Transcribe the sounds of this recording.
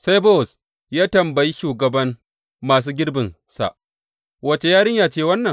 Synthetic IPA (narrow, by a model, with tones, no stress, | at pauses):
sa˦jbo˦˨s | jaː˦tɐ˨mbɐ˨ji˦ʃuː˨ɡɐ˨bɐ˦ŋ | maː˨s̬uː˦ɡʲɪ˦ɽbɪ˨n | sa̰˨ʔ | wɐ˦t͡ʃe˨jaː˦ɽɪ˦ɲjaː˦t͡ʃeː˦˨wɐ˦nːɐ˨ŋ